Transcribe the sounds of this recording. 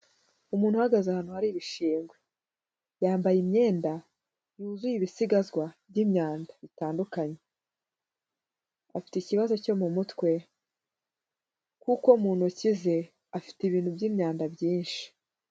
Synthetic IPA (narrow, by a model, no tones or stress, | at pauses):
umuːn̥huhaɡazahaːn̥uhaɾiβiʃiːŋɡwe | jaːmbajimɲe̞ːnda | juzujiβisiɡazɡwabɟiːmɲaːndaβitaːndukaɲe̞ | afi̥teciβazo̞co̞mumutwe̞ | kukomuːn̥hucize̞ | afi̥tiβiːn̥hubɟimɲaːndabjiːnʃi̥